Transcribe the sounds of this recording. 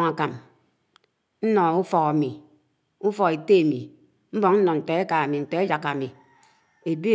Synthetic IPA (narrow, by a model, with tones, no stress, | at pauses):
ŋa˨ka˨m | n̩˦nɔ˨u˦fɔ˨ka˨mi˨ | u˦fɔ˨ɣe˨te˦a˨mi˨ | m̩˦bɔ˨ŋn̩˦nɔ˨n̩˨tɔ˨e˦ka˨a˨mi˨n̩˨te˨˦d͡ʒa˨ka˨mi˨ | e˨bi˦